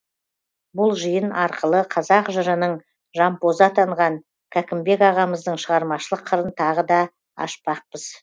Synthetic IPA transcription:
bʊlˠʒəjənɑɾqəlˠəqʰɑzɑqʒəɾənəɴ | ʒɑmpozɑt̪ʰɑɴʁɑŋ | kʲʰækʲɪmbe̞kɑʁɑməzd̪əɴʃəʁɑɾmɑʃəlˠəqʰːəɾənt̪ʰɑʁəd̪ɑ | ɑ̰ʃpɑq̚pəz

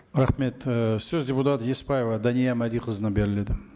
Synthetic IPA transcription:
ɾaχme̞t̪søzʲdʲeput̪at̪jespajevəd̪anʲijamæd̪iqʰəzɨnabeɾɪled̪ɪ

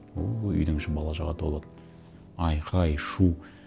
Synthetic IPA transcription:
oʏ̰jd̪ɪŋʃɪbɑlˠɑʒɑʁɑt̪ʰolˠɑt̪ən | ɑjqʰɑjʃu

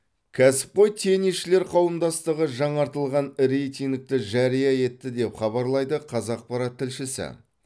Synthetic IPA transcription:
kʲʰæsɪ̥p̚qo̞jt̪ʰe̞niʃɪle̞ɾqʰɑwəmd̪ɑst̪əʁəʒɑɴɑɾt̪əlˠʁɑnɾejt̪ʲiŋk̚t̪ɪʒæɾijɑje̞t̪ːɪd̪e̞pχɑβɑɾlˠɑjd̪əqʰɑzɑq̚pɑɾɑt̪ʰːɪlʃɪsɪ̰

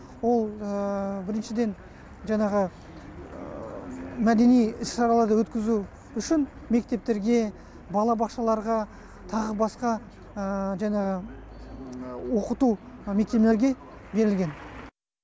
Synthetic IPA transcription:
wo̞lˠəbɪɾɪnʃɪd̪e̞n | ʒɑɴɑʁə | mæd̪e̞nijɪsʃɑɾɑlˠɑɾd̪əwɵt̪kʲɪzu | ʏʃɪn | me̞k̚t̪e̞p̚t̪e̞ɾɡʲe̞ | bɑlˠɑbɑqʃɑlˠɑɾʁɑ | t̪ʰɑʁəbɑsqɑ | ʒɑɴɑʁə | wo̞qət̪ume̞k̚t̪e̞ble̞ɾɡʲe̞ | be̞ɾɪlɡʲe̞n

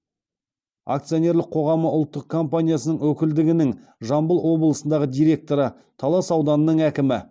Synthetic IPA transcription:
a̰kt̪sijo̞nʲe̞ɾlɪqʰo̞ʁɑməʊlˠt̪ːəq̚kʰo̞mpanʲijasənəɴwɵkʲɪld̪ɪɡʲɪnɪŋ | ʒɑmbəlˠwo̞blˠəsənd̪ɑʁəd̪ijɾʲe̞k̚t̪o̞ɾə | t̪ʰɑlˠɑsɑwd̪ɑnənəɴækʲɪmɪ

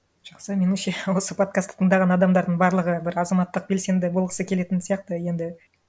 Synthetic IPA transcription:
ʒ̥ɑqsəme̞nɪʃe̞wo̞səpʰo̞t̪̚kast̪t̪ʰːəɴd̪ɑʁɑnɑd̪ɑmd̪ɑɾd̪əɴbɑɾlˠəʁəbɪɾɑzɑmɑt̪ːəq̚be̞lse̞nd̪ɪbo̞lˠʁəsəkʲʰe̞le̞t̪ɪnsijɑq̚t̪əje̞nd̪ɪ

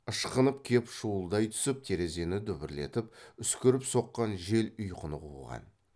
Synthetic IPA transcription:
əʃqənəp̚kʲʰe̞pʃuwəlˠd̪ɑjt̪ʰʏ̥sɪp̚t̪ʰe̞ɾe̞ze̞nɪd̪ʏbɪɾle̞̰t̪ɪp̚ʏskʲɪɾɪpso̞qːɑnʒe̞lʏjqʰənəquʁɑ̰n

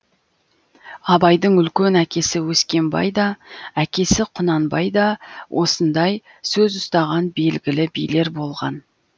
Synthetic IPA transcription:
ɑbɑjd̪əɴʏlkʲenækʲe̞sɪwɵskʲe̞nbɑ̰jd̪ɑækʲe̞sɪqʰʊnɑnbɑjd̪ɑwʔo̞sənd̪ɑj | sɵzʊst̪ɑʁɑnbe̞lɡʲɪlɪbijle̞ɾbo̞lˠʁɑ̰n

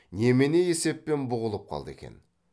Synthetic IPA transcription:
ne̞mene̞je̞se̞pːe̞nbʊʁəlˠəp̚qʰɑ̰lˠd̪əe̞̰kʲḛn

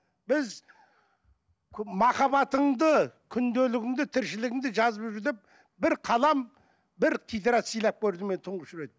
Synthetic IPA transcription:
b̥ɪz | mɑχɑβɑt̪əɴd̪əkʲʰʏnd̪elɪɡʲɪŋd̪ɪt̪ʰɪɾʃɪlɪɡʲɪŋd̪ɪʒɑzəpʒʏɾd̪ep̚ | bɪɾqʰɑlˠɑm | bɪɾqʲʰijd̪eɾɑt̪sijlˠɑp̚kʲʰɵɾd̪ɪme̞nt̪ʰʊɴʁəpʒʏɾe̞d̪̚ɪ

